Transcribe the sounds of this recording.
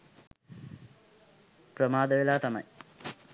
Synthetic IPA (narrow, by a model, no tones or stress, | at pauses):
pɾɐmaːd̪ɐʋilaːt̪ɐmɐ̰j